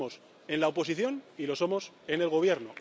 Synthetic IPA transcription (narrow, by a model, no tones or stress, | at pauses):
o̞s | e̞nlaopo̞s̬iθjo̞nilo̞so̞mo̞s | e̞ne̞lɣ̞o̞β̞je̞ɾno